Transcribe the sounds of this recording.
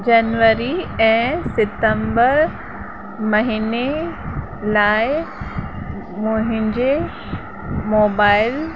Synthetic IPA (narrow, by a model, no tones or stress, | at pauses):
d͡ʑɐnʋəɾiɛ̃ːsɪt̪ə̃mbəɾ | mɐɦiːne | laːɪ | mʊ̃ɦɪ̃ɲd͡ʑe | moːbaːɪl